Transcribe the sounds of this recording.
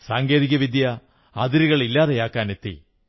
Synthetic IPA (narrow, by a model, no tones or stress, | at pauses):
saːŋɡe̞ːðiɣʲɐʋid̪ʱjɐ | ɐd̪iɾiɣɐɭilːaːðɐjaːkːaːne̞t̪ːḭ